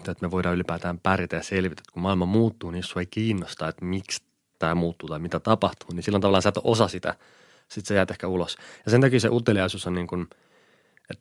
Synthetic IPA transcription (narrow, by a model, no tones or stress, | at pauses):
t̪et̪meʋoidɑːylipæːt̪æːmpærjit̪æjɑselʋit̪æ̥et̪kummɑilmɑmuːt̪ːuːniːsːueikiːnːost̪ɑːet̪miks | t̪æːmuːt̪ːuːt̪ɑimit̪æt̪ɑpɑht̪uːninsilːænɑʋɑlːɑnsæt̪ʔosɑsit̪æ̰ | sit̪sejæːt̪ehkæulosjɑsent̪ɑkiːseʔut̪ːeliɑisusonniːŋkun | et̪